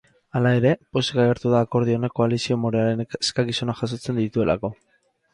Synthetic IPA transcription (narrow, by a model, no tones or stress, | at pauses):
alae̞ɾe̞po̞sekaɣeɾt̪uðaːko̞ɾð̞io̞neko̞alisio̞moɾeaɾe̞neskakiso̞naʝaso̞t͡se̞nd̪it̪ue̞la̰ko̞